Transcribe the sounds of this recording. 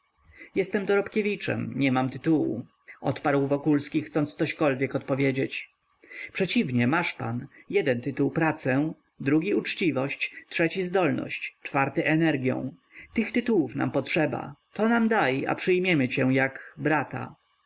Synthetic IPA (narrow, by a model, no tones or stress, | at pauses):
jɛst̪ɛmd̪ɔɾɔpkʲevʲit͡ʂɛ̰mɲɛmamt̪ɘt̪uwṵ | ɔt̪paɾwvɔkulskʲixt̪sɔnssɔɕkɔlvʲjɛkɔt̪pɔvʲjed͡ʑet͡ɕ | pʂɛt͡ɕivɲɛmaʂpanjɛd̪ɛnt̪ɘt̪uwpɾat̪sɛ | d̪ɾuɡʲiut͡ʂt͡ɕivɔɕt͡ɕtʂɛt͡ɕizd̪ɔlnɔ̰ɕt͡ɕt͡ʂfaɾt̪ɛʔɛnɛɾɡʲjɔ̰̃w̃ | t̪ɘxt̪ɘt̪uwufna̰mpɔtʂɛba̰t̪ɔnamd̪ajʔa̰pʂɘjmʲjɛmɘt͡ɕɛ̃jaɡbɾat̪a̰